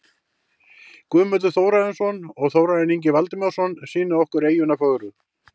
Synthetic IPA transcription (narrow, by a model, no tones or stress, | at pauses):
kʏːmœt̪ʏθowɾaðɛnsɔnɔɣθoːwɾaðɛniɲc̬ɪvalt̪ɪmɛwsɔnsiːnʏɔhkʏɾeːjʏnafœɣɾʏ